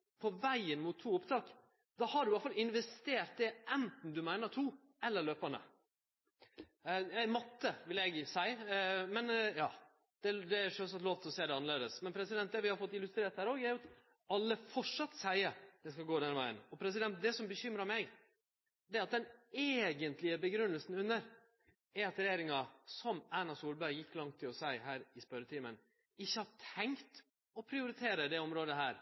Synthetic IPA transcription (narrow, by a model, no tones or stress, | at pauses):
pʰɔʋæɪənmʊt̪ʰːuːʊpt̪ʰɑːk | d̪ɑhɑɖʉʋɑt̪fɑlɪnʋɛst̪eːɾt̪̚d̪ɛʔɛnt̪n̩d̪ʉmæɪnət̪ʰuː | ɛlːəɾɭløːpənd̪ə̰ | jæmɔt̪ːəʋɪlɛɡsæɪəmɛnjɑː | d̪̥ɛd̪ɛæʂœns̬ɑt̪loːʋt̪ʰlɔseːd̪ɛɑnəleːd̪əsmɛnpʰɾɛsɪd̪ɛnt̪̚d̪ɛʋɪhɑɾfɔt̪ːɪlʉst̪ɾeːɾʈ̪hæːɾoːɡæɾjʊɑt̪ | ɑlːəfɔʂʂɑt̪ːsæɪəd̪̥ɛskɑlɡoːd̪ɛnəʋæɪənɔpʰɾɛs̬ɪd̪ɛnt̪̚d̪ɛsɔmbəçʏmɾɑɾmɛɡ | d̪ɛɑt̪̚d̪ɛneːɡənt̪lɪəbəɡɾʉnːəlsn̩ʉnːəɾ | ɛɾɑt̪ɾɛjeːɾɪŋɑsɔmæːnɑsuːlbæɪjɪkːlɑŋt̪ʰːɪlɔsæɪɦæːɾɪspœɾət̪ʰiːmən | ɪçːəhɑʈʰɛŋt̪ | ɔpʰɾɪʊɾɪt̪ʰeːɾəd̪ɛɔmɾoːd̪əɦæːɾ